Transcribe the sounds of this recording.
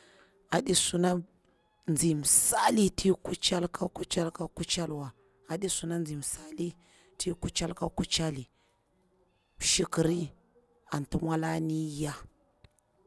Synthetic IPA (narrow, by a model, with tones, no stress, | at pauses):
a˨ɗi˦su˦na˦ | nd͡zi˨m˨sa˦li˦tʰi˦ku˦t͡ʃa˦lkʰa˦ku˦t͡ʃa˦lka˦ku˦t͡ʃa˦lwa˨ | a˨ɗi˦su˨na˦nd͡zi˨m˨sa˦li˦ | tʰi˦ku˦t͡ʃa˦lka˦ku˦t͡ʃa˦li˨ | ʃi˨ki˨ɾi˦ | a˨ntu˦mwa˦la˦ni˦ja˦